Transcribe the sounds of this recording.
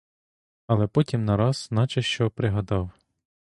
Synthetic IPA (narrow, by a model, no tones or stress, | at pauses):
ɐlˠɛpɔtʲimnɐɾɑz̥nɑt͡ʃɐʃt͡ʃɔpɾɪɦɐd̪ɑw